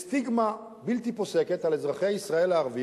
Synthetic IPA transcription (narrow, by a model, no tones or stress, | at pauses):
st̪iɡma | bilt̪ipo̞se̞ket̪alezʁaχejaisʁae̞leaʁvi